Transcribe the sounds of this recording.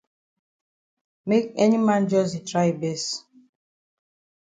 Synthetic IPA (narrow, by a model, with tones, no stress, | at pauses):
me˦k̚ɛ˦ɲi˦mã˦nd͡ʒɔ˦zi˨tɾa˦i˨be˦s